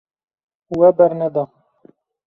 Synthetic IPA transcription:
wɛbɛɾnɛd̪ɑ

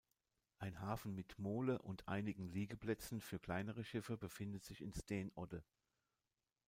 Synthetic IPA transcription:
ʔaɪnɦaːfn̩mɪtmoːləʔʊntʰʔa̰ɪnɪɡŋ̩liːɡəpl̥ɛt͡sn̩fyːɐkl̥aɪnəʁ̞əʃɪfəbəfɪndətz̥ɪçɪnstɛːnʔɔdə

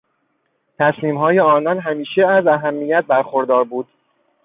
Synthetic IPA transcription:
t̪ʰæsmiːmɦɒːje̞ɒːnɒnɦæmiːʃeæzæɦæmːijæt̪̚bæɾxoɾd̪ɒːɾbuːd̪̥

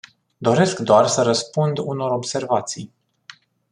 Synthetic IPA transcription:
d̪o̞ɾe̞skd̪oarsəɾəspund̪uno̞ɾo̞bse̞rvat̪sij

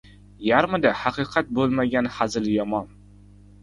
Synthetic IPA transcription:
jaɾmɪd̪ahaqɨqʰat̪̚bolˠmaɡʲanhazɪljɒmɒn

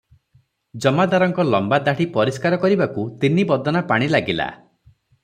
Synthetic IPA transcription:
d͡ʒɔmad̪aɾɔŋkɔlɔmbad̪aɽipɔɾiskaɾɔkɔɾibakut̪inibɔd̪ʱɔnapaɽ̃ilaɡila̰

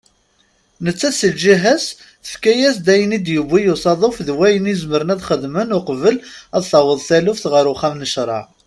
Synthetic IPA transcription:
nət͡sːæsəlʒiɦæs | θə̥fkæjæsd̪æjənid̪jubːijusˤɑðˤofðwæjənizməɾənæðχəðmənʊqvəlæðθɑwəðˤθælufθʁəɾʊχæmnəʃɾˤɑ̰

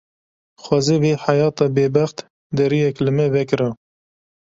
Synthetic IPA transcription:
xwɑːzeveːħajɑːt̪ɑːbeːbæxt̪ | d̪ɛɾijɛklɨmɛvɛkɨɾɑ

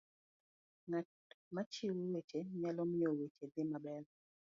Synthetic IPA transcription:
ŋa | mat͡ʃɪwwet͡ʃeɲalɔmɪowet͡ʃed̪ɪmabɛr

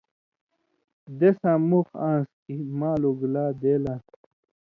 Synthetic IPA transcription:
d̪esãmuxãːns | imaːluɡlaːd̪eːlã

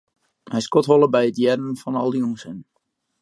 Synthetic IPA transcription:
hɛjskɔtɦolˠəbɛjətjɛdənfɔnɔlˠdiunsən

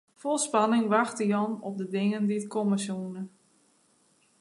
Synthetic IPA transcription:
folˠspanɪŋʋaxtəjɔnɔp̚dədɪŋəndiətkʰɔməsuːnə

